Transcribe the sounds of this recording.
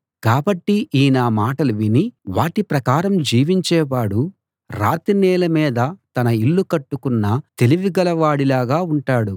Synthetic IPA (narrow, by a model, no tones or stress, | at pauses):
kaːbɐʈːiʔiːnaːmaːʈɐluʋiniʋaːʈipɾɐkaːɾɐmd͡ʒiːʋiɲt͡ʃɛːʋaːɽu | ɾa̰ːt̪inɛːlɐmɛːd̪ɐt̪ɐnɐilːukɐʈːukunːɐt̪e̞liʋiɡɐlɐʋaːɽilaːɡaːuɳʈaːɽu